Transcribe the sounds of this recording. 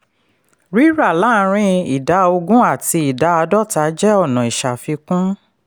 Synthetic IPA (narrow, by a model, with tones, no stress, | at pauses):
ɾi˦ɾa˦˨la˦˨˦ɾ̃ĩ˧˦i˨da˨˦o˧ɡũ˦a˦˨ti˧i˨da˨˦a˧dɔ˦˨ta˨˦d͡ʒɛ˦ɔ˦˨nɔ̃˨i˨ʃa˨fi˧kũ˦